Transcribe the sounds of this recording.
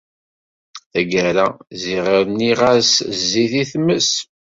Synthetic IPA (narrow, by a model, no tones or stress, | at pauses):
θæɡæɾæziʁəɾniʁaszːiθiθməs